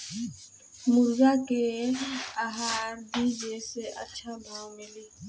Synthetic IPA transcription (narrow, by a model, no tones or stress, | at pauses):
mʊɾɡake | aɦaːɾbid͡ʒeseʔə̰tːʃʰab̪ʱãmɪliː